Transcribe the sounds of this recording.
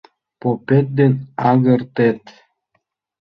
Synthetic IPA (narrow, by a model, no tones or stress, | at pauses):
popet̪̚d̪enɑɡɤ̆rt̪et̪